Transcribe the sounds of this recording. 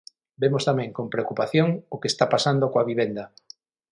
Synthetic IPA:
bemost̪amɛ̃ŋkompɾeokupaθjoŋokest̪apasand̪okoaβ̞iβ̞end̪a

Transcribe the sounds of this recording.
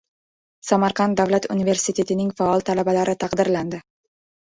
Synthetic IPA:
samaɾqʰɑnt̪d̪avlat̪unive̞ɾsit̪ʰe̞t̪ʰɪnɪŋfaɒlˠt̪ʰalabalaɾʔɪt̪ʰɑqd̪ɪɾland̪ɪ

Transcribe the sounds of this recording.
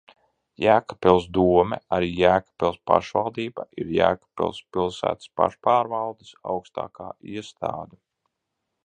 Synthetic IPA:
jæːkḁpɛlˠsd̪uɔmɛ̰aɾiːjæːkḁpɛlˠspa̰ʃvalˠd̪iːbaʔiɾjæ̰ːkḁpɛ̰lˠspilˠsæ̰ːt̪spa̰ʃpaːɾvalˠd̪isa̰wkst̪a̰ːkaːiɛst̪aːd̪a

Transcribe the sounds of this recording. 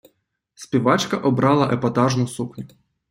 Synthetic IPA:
sʲpʲiʋɑt͡ʃkɐʔɔbɾɑlˠɐʔɛpɐt̪ɑʒnʊsuknʲʊ

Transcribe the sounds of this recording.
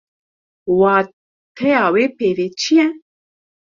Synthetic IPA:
waː | t̪ʰɛjaːweːpeːvet͡ʃʰijɛ

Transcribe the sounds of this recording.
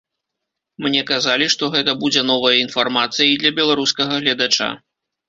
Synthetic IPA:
mnʲɛkazalʲiʂt̪ɔɣɛt̪ɐbud͡zʲɛnɔvɐjɐinfarmat̪sɨjid̪lʲɐbʲɛlˠaɾuskɐɣɐɣlʲɐd̪at͡ʂa̰

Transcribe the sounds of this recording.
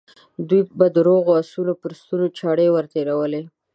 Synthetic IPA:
d̪ujbad̪əɾoɣoasulopəɾst̪unot͡ʃɑɽewəɾt̪eɾawəle

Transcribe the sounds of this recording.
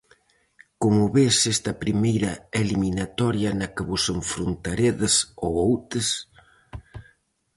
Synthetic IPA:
komʊβesest̪ɐpɾimejɾɐeliminat̪ɔɾjɐnɐkɪβʊseɱfɾunt̪aɾeðɪsowowt̪ɪs

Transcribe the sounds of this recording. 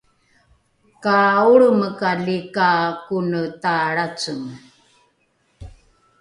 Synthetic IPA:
kauɭəməkaɮikakunətaɾat͡səm

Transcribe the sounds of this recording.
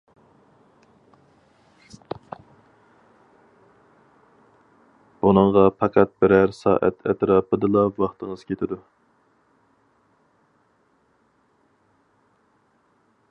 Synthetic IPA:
b̥unɨŋʁɑpʰɑqʰæt̪̚bɪɾæɾsɑ̰ːʔæ̰t̪ʰɛ̰t̪ɾɑːpɨd̪ɨlˠɑwɑχt̪əŋəz̥kʲʰet̪ʰɪd̪u

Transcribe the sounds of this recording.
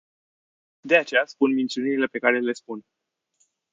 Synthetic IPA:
d̪e̞at͡ʃe̞jaspunmint̪siuniɾile̞pe̞kaɾele̞spun

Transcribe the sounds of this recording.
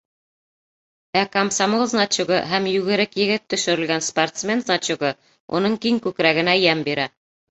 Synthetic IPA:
ækamsamolˠznat͡ɕuɡɤɦæmjʉɡɘ̆ɾɘkjɘ̆ɡɘt̪ːɵ̆ʃɵ̆ɾɘ̆lɡænsport̪smʲe̞nznat͡ɕuɡɤ | ṵnɤɴkiŋkʉkɾæɡɘ̆næjæmbiɾæ

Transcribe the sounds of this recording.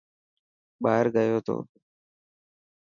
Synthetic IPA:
ɓaːɦəɾɡəjoːt̪o̰ː

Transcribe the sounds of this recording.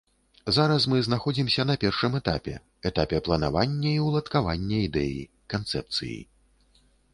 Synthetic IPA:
zaɾɐsmɨznaxɔd͡zʲimsʲɐnɐpʲɛrʂɨmɛt̪a̰pʲɛ̰ | ɛt̪apʲɛplˠɐna̰vanʲːɐiwlˠɐt̪kavanʲːɐid̪ɛjḭ | kant̪sɛ̰p̚t̪sɨ̰jḭ

